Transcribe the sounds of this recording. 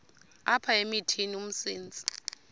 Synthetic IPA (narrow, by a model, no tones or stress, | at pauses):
apʰaemitʰinium̩siːnd͡zʱʼi̥